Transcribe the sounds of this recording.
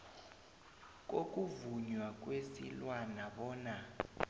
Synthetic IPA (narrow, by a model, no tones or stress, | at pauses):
k̬ʼok̬ʼuvuɲwak̬ʼwesḭlwanaɓɔːna